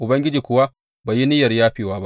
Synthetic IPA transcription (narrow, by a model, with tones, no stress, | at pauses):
ʔʊ˨bɐ˦ŋɡʲɪ˦d͡ʒiː˨kʷʊ˨wa˦ | baː˨ji˦nɪ˦jɐ˨rjaː˦ɸiː˨waː˦ba˦ʔ